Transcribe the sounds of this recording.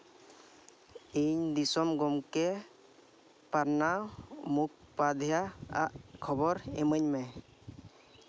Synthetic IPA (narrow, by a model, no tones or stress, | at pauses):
iɲd̪isɔmɡɔmkɛ | paɾnawmuk̚pad̪ʱjaa̰ʔkʰɔbɔɾɛməɲmɛ